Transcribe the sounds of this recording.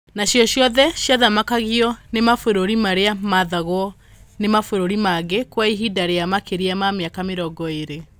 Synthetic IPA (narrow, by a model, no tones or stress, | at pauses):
naɕjɔɕjɔðɛɕjaðamakaɣiɔnemafoɾoɾimaɾeamaðaɣwɔ | nemafoɾoɾimaɡekwaiɦidaɾeamakeɾiamameakameɾɔɡɔeɾe